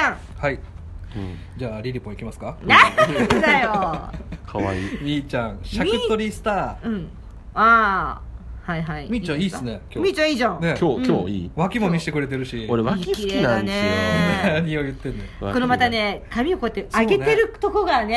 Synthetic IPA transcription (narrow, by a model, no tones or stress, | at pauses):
ãŋ | hai | d͡ʑaːɾʲiɾʲipõikʲimasɨ̥kanaad̪ajo | kʰaβa̰ḭmʲiːt͡ɕãɰ̃ɕakɯːoɾʲisɨ̥t̪aːɯ̟̃ɴ | a | haiɦaimʲiːt͡ɕãiːsɨneomʲiːt͡ɕãiːzãne̞kʰʲoːkoːḭβakʲimo̞mʲiɕi̥t̪ekɯ̟ɾet̪e̞ɾɯ̟ɕioɾeβakiseinanenaɲiojɯ̟t̪ːẽ̞nːekonomat̪ane̞kʰamʲiokoet̪ːesaɡe̞t̪e̞ɾɯ̟t̪o̞koɡane̞